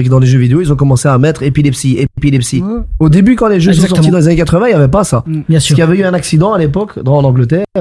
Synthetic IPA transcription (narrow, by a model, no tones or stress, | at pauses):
kd̪ɑ̃leʒøvid̪eoilzɔ̃kɔmɑ̃seamɛt̪χepilɛpsiepilɛpsiod̪ebykɑ̃leʒøs̬ɔ̃s̬ɔʁt̪id̪ɑ̃lezanekat̪χəvɛ̃iljavɛp̬asabjɛ̃skilavɛyɛ̃naksid̪ɑ̃alepɔkd̪ɑ̃lnɑ̃ɡlət̪ɛʁ